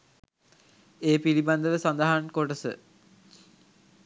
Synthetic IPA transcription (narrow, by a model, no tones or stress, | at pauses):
eːpiliband̪əʋəsand̪aɦankoʈəsə̰